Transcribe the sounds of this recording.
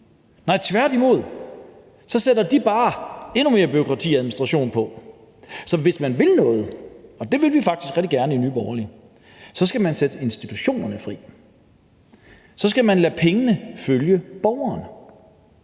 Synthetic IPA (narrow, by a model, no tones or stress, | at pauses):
nɑ̈ɪt͡sʰʋæɐ̰d̥imo̝ð̞̰ˠ | sɒ̽sedɐd̥ib̥ɑ̈ːe̝nume̝ːɐb̥yokʰʁɑ̈t͡sʰḭːæðˠminisd̥ʁɑɕo̝̰ːnpʰɒ̽ | sɒ̽ʋe̝smænʋe̝lnɔ̽ːð̞̩ˠɒ̽d̥e̝ʋe̝lʋifɑɡ̥̚d̥isɡ̥ʁɛd̥iɡ̥æɐnəinyːb̥ɒʊɐli | sɒ̽sɡ̥æmænsed̥əe̝nsd̥it͡sʰuɕo̝̰ːnɐnəfʁḭː | sɒ̽sɡ̥æmænlæpʰeŋənəføljəb̥ɒʊɐːn